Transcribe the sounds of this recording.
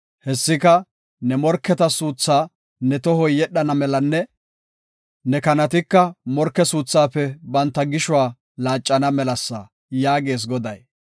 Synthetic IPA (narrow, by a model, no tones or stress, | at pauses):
hɛsːɪkɐ | nɛmɔɾkːɛt̪ɐsuːt͡sːaː | nɛt̪ɔɦɔjjɛɗɐnɐmɛlɐnːɛ | nɛkɐnɐt̪ɪkːɐmɔɾkːɛsuːt͡sːaːpːɛbɐnt̪ːɐɡɪʃʊwaː | laːt͡ʃʼːɐnɐmɛlɐsːɐ | jaːɡe̞ːs̬ɡɔd̪ɐj